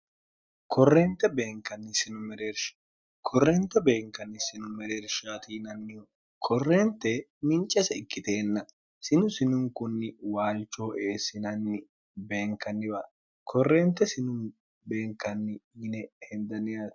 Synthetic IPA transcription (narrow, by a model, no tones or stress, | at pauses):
kɔrːeːnt̪ɛbe̞ːŋkɐnːɪsɪnʊmɛɾeːɾʃɐ̥ | kʰɔrːeːnt̪ɛbe̞ːŋkɐnːɪsɪnʊmɛɾeːɾʃaːt̪iːnɐnːɪ | kʰɔrːe̞ːnt̪ɛmɪnt͡ʃʼːɛsɛɪkːɪt̪e̞ːnːɐ | sɪnʊsɪnʊŋkʊnːɪwaːlt͡ʃːo̞ːʔe̞ːsɪnɐnːɪ | be̞ːŋkɐnːɪbɐ | kʰɔrːe̞ːnt̪ɛsɪnʊm | be̞ːŋkɐnːɪɪnɛhɛnd̪ɐnɪjɐ